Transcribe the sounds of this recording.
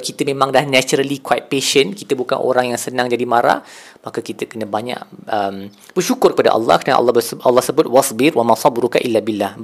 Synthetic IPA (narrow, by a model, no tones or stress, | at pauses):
kit̪əmẽmãŋdahnat͡ʃuɾəlikwait̪̚peʃənkit̪əbuka̰nʔo̰ɾaŋjaŋsənãŋd͡ʒadimaɾa̰ | makakit̪əkənãbaɲã̰ʔəm | b̥ərʃukʊrkəpada̰ʔɑ̰lːɑ̰hkəna̰ʔɑ̰lːɑbəʔalːɑhsəbʊt̪̚wɑsbɪɾwamasˤɑbɾuka̰ʔilːabilːahb